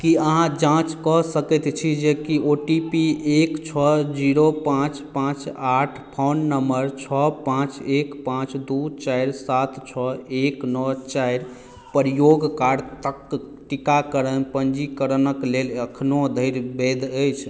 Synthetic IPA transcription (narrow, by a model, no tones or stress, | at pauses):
kiəɦãd͡ʒãt͡ʃkɔsəkɛt̪t͡ʃʰid͡ʒekioʈipiekt͡ʃʰɔd͡ʒiɾopãt͡ʃpãt͡ʃaʈʰpʰonːəmbəɾt͡ʃʰɔpãt͡ʃekpãt͡ʃd̪ut͡ʃajɾsat̪t͡ʃʰɔeknɔt͡ʃajɾ | pəɾijoɡkaɖt̪əkː | ʈikakəɾənpənd͡ʒikəɾənəkleləkʰnod̪ʱəjɾbed̪ʱəjt͡ʃʰ